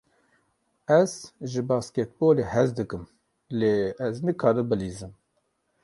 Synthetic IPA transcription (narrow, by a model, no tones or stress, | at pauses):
ɛz̥ʒɨbɑːskɛt̪̚boːlehɛzd̪ɨkɨm | leːɛznɨkʰɑːɾɨbɨliːzɨm